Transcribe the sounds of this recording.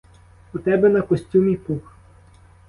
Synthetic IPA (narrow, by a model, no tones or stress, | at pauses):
ut̪ɛbɛnɐkɔsʲtʲumʲipux